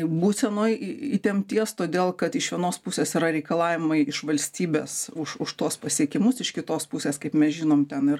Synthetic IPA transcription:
buːt̪ʲsʲɛnoːjɪɪt̪ʲɛmʲt̪ʲiɛst̪oːd̪ʲeːlˠkɐt̪ɪʃʋʲiɛnoːspʊsʲeːsiːɾɐɾʲɛɪkɐlˠɑːʋʲɪmɐɪɪʃʋɐlʲsʲt̪ʲiːbʲḛːsʊʃʊʃt̪uɔspɐsʲiɛkʲɪmʊsɪʃkʲɪt̪oːspʊsʲeːskɐɪpmʲɛsʒʲɪnoːmt̪ʲɛnɪr

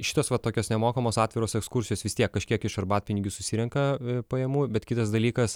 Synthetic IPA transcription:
ʃʲɪ̥t̪oːsʋɐt̪oːkʲoːsnʲɛmoːkɐmoːsɑːt̪ʲʋʲɪɾoːsɛkskʊrsʲɪjoːsʋʲɪst̪ʲiɛkːɐʃʲkʲiɛkɪʃɐrbɑːt̪̚pʲɪnʲɪɡʲʊsʊsʲiɾʲɛŋkɐpɐjɛmuːbʲɛt̪kʲit̪ɐsd̪ɐlʲiːkɐs

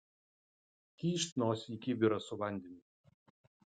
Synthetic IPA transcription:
k̪ʲiːʃʲt̪ʲnoːsʲikʲɪbʲɪɾɐsʊʋɐˑnʲd̪ʲɛnʲɪ

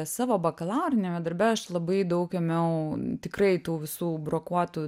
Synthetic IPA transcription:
sɑːʋoːbɐkɐlˠɑːɾʲɪnʲɛːmʲɛd̪ɐɾʲbʲɛɐʃlˠɐbɐɪd̪ɐʊkɛmʲɛʊt̪ʲɪkɾɐɪt̪uːʋʲɪsuːbɾoːkuɔt̪uː

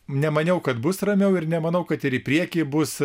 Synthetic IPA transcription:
nʲɛmɐnʲɛʊkɐt̪bʊsrɐmʲɛʊɪrnʲɛmɐnɐʊkɐt̪ɪɾɪpʲɾʲiɛkʲibʊs

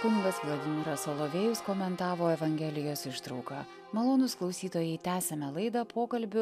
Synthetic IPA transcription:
kʲʊnʲɪɡɐsplˠɐd̪ʲɪmʲɪɾɐsoːlˠoːʋʲeːjʊskoːmʲɛnt̪ɑːʋoːɛʋɐŋʲɡʲɛːlʲɪjoːsɪʃt̪ɾɒʊkɑː | mɐlˠoːnʊsklˠɒʊsʲiːt̪oːjɛɪt̪ʲæːsʲɛmʲɛlˠɐɪd̪ɐpʰoːkɐlʲbʲʊ

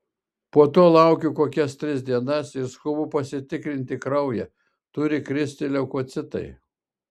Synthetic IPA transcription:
poːɔt̪oːlˠɐˑʊkʲʊkoːkʲɛst̪ʲɾʲɪsʲd̪ʲiɛnɐsɪɾskʊbʊpɐsʲɪt̪ʲɪkɾʲɪnʲt̪ʲɪkɾɐʊjɛ | t̪ʊɾʲɪkɾʲɪsʲt̪ʲɪlʲɛʊkoːt̪sʲɪt̪ɐ̰ɪ

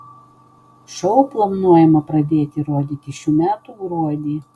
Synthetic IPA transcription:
ʃɔʊplˠɐʋnuɔjɛmɐpɾɐd̪ʲeːt̪ʲɪɾoːd̪ʲiːt̪ʲɪʃʲuːmʲæːt̪uɡɾuɔd̪ʲiː

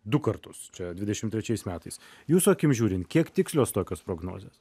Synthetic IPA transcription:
d̪ʊkɐɾt̪ʊst͡ʃʲɛd̪ʲʋʲɪd̪ʲɛʃʲɪmt̪ʲɾʲɛt͡ʃʲɛɪsmʲæːt̪ɐɪs | juːsʊɐkʲɪmʒʲuːɾʲɪnt̪kʲiɛkt̪ʲɪksʲlʲoːst̪oːkʲoːspɾoːɡno̰ːzʲeːs

